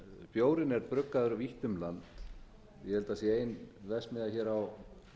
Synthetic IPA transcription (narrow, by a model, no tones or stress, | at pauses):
fjoːwɾɪnɛɾpɾʏkːaðʏɾʏviht̪ʏmlant̪ | jɛhɛlt̪aasjɛeːjnvɛsmɪðaçɛːɾaw